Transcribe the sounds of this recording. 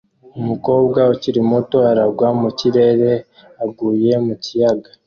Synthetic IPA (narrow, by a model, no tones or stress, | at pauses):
umuko̞ːbɡaociɾimo̞to̞aɾaɡwamuciɾe̞ɾe̞ | aɡuːje̞mucijaɡa